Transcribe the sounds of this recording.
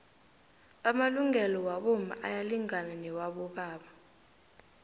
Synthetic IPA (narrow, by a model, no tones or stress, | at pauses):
amaluŋʱɛlɔwaɓɔma̰ʔa̰jaliŋananɛwaɓɔɓaːɓa